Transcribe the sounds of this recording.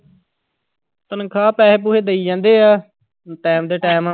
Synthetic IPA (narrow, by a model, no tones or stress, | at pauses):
t̪ənkʰaːpɛːɦeːp̬uːɦeːd̪eiːd͡ʒãːnd̪eːaː | ʈɛːmd̪eːʈɛːmaː